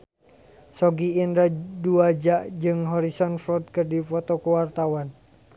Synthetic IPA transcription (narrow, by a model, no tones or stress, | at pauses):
sɔɡiːndɾaduad͡ʒaʔd͡ʒɨŋɦɔɾisɔnfɔt̪̚kɨrdifɔt̪ɔkuwart̪awan